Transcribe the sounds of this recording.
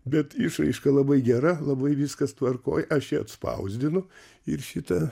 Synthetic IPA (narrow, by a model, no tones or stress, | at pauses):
bʲɛt̪ɪʃɾɐ̰ɪʃkɐlˠɐbɐɪɡʲæɾɐlˠɐbɐɪʋʲiskɐst̪ʋɐrko̰ːjʔɐʃt͡ʃʲɛɐ̰t̪spɐ̰ʊzʲd̪ʲɪnʊ | ɪɾʃʲɪt̪ɐ